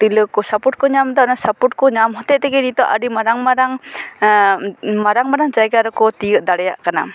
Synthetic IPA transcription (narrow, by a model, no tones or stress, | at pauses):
t̪ilɯkɔsapuʈ̚kɔɲamd̪aʔnasapuʈ̚kɔɲamɦɔt̪ɛʔt̪ɛɡɛnit̪ɔʔa̰ɾimaɾaŋmaɾaŋ | maɾaŋmaɾaŋd͡ʒajɡaɾɔkɔt̪ijəʔ̚d̪aɽɛja̰ʔkana̰